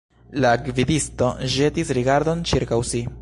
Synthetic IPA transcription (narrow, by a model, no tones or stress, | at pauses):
lakvidisto̞ʒe̞tisɾiɡaɾdo̞nt͡ʃiɾkawsi